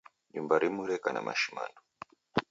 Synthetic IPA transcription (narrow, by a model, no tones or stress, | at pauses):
ʄumbaɾimuɾɛkana̰mʔa̰ʃima̰nɔ